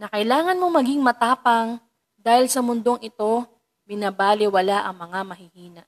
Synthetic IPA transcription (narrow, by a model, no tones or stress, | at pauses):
nɐkɐjlaːŋɐnmo̞mɐɡiŋmɐt̪aːpɐŋ | d̪aːhɪlsɐmʊnd̪o̞ŋʔɪt̪o̞ | bɪnabaːlɪwɐlaʔɐŋmɐŋamɐɦɪhiːnɐʔ